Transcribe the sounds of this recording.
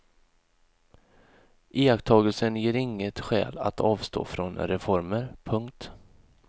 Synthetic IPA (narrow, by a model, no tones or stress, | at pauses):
ʔeːakt̪ʰɑːɡəlsənjeːɾɪŋːət̪ɧɛ̰ːla̰t̪ʰɑːvst̪o̰ːfɾɔnɾɛfɔɾməɾpʰɵŋk̚t̪